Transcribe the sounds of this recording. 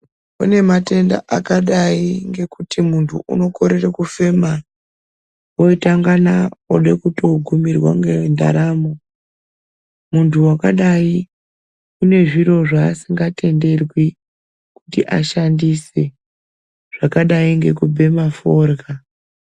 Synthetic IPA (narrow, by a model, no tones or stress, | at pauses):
une̞mate̞nda̰ʔakaɗaiŋɡe̞kutʰimuntʰṵʔṵno̞ko̞ɾe̞rekufe̞ma | oitaŋɡanaoɗekuto̞ɡʱumirwa̰ŋɡenda̰ɾaːmo | muntʰuwakaɗai | une̞ʐiro̞ʐaːsiŋɡate̞nde̞rwi | kutiʔa̰ʃandise | ʐ̥akaɗaiŋɡe̞kubʱe̞maforɣa